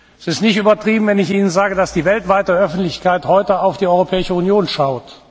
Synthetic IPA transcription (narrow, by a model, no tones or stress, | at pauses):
ɛsɪstnɪçtyːbɐtʁ̥iːbm̩vɛnɪçʔiːnənzaːɡədasd̥iːvɛltv̥aɪtəœfn̩tlɪçkaɪthɔʏtəaʊfd̥iːɔʏʁopʰɛːɪʃəunjoːnʃaʊt